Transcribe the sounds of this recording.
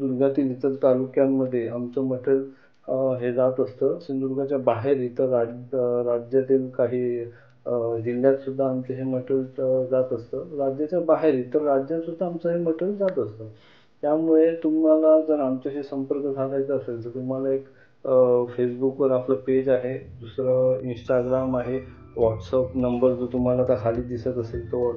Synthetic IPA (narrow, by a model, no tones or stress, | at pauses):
d̪uɾɡʱat̪iːlit̪əɾt̪alukjamːəd̪ʱːjeamt͡səməʈʰəl | ɦed͡zat̪əst̪əːsind̪uɾɡʱat͡ɕjabaɦeɾit̪əɾaɾad͡ʑjat̪iːlkaɦiː | d͡ʑind̪jat̪sud̪ʱːaːmt͡səɦeməʈəld͡zat̪əst̪əːɾad͡ʑjat͡ɕjabaɦeɾit̪əɾːad͡ʑjat̪sud̪ʱːaːmt͡səɦeməʈəld͡zat̪əst̪ə | t̪jamuɭet̪um̤alad͡zəɾamt͡ɕaɕiːsəmpəɾkəkʰalajt͡səːəseld͡zəɾt̪um̤alaek | fesbukʋəɾapləped͡ʑaɦed̪usɾəinsʈaɡɾamaɦe | ʋɔʈsapnəmbəɾd͡zot̪um̤alat̪akʰaliːd̪isət̪əselt̪oʋə